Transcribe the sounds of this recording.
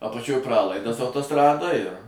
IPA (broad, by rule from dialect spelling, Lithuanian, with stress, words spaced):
ɐpɐˈt͡ʃʲoːj ˈprɑːlˠɐɪdɐs ɐʊtoːˈstrɑːdoːj ɪr